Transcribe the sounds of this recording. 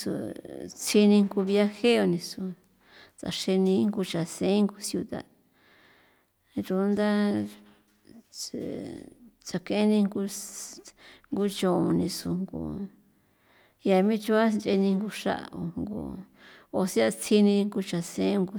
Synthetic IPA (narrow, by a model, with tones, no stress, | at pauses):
sṵ˧˨t͡sʰi˧nĩ˧ŋɡu˧βi˧a˧he˦o˧nĩ˧su˧ | t͡sa̰˨ʂe˧nĩ˧˦ŋɡu˧t͡ʃa˨sẽ˦ŋɡu˧sju˧t̪a̰˨ | ɾu˧˦nd̪a˦˨ | t͡sa˨kẽ˧e˦nĩ˧ŋɡu˧ | ŋɡu˧˦t͡ʃõ˨õ˧nĩ˧su˧ŋɡṵ˧ | ja˧mĩ˦t͡ʃu˦a˦nt͡ʃe˧nĩ˧ŋɡu˧ʂa̰˦ʔa̰˨o̰˧ŋɡo̰˧˨ | o˧sa˧t͡sʰi˧nĩ˧ŋɡu˧t͡ʃa˨sẽ˧˦ŋɡu˧